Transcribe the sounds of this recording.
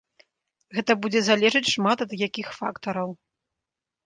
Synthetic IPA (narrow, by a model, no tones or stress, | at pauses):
ɣɛt̪ɐbud͡zʲɛzalʲɛʐɨt͡sʲʂmat̪ɐd̪jakʲixfakt̪ɐɾɐw